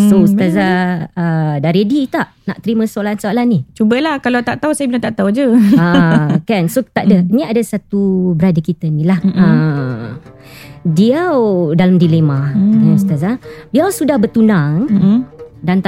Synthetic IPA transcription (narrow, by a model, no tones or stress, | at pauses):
sost̪azaədaɾedit̪aʔna̰ʔt̪əɾimə̃solansoalanit͡ʃubəlahkalat̪aʔt̪ausajabilat̪aʔt̪aud͡ʒəakansot̪aʔdənĩadasat̪ubəɾadakit̪ənĩlahə | diawdalamdilemãaust̪azadiawsudahbərt̪unaŋ | dant̪